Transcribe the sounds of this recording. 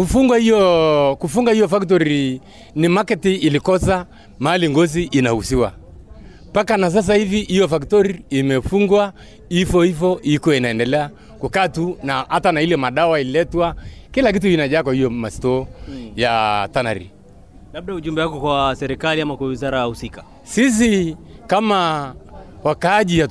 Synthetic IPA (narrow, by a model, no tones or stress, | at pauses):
kufuŋɡwahijɔkufuŋɡaijɔfakt̬ɔɾi | nimakɛtiːlikɔsa | maaliŋɡɔs̬iʔinahusiwa̰ | pakanas̬as̬ahiviʔijɔfaktɔɾiːmɛfuŋɡwa | ifɔifɔʔikuɔinaɛndɛlɛa | kukatunahatanailɔmaɗawaililɛtwakilak̬it̬ukinaʄaːkwahijɔmastɔjatana̰ɾḭ | lab̚ɗauʄumbɛwakɔkwasɛɾikaliamakwawizaɾajahusika | sis̬ikama | wakaːʄija